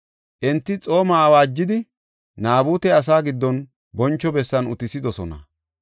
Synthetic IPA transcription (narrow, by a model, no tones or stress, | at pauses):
ʔɛnt̪ːɪt͡sʼo̞ːmaːwaːd͡ʒːɪd̪ɪ | naːbuːt̪ɛɐs̬aːɡɪd̪ːɔn | bɔnt͡ʃːɔbɛsːɐnʊ̰t̪ɪsɪd̪ɔsɔnɐ̰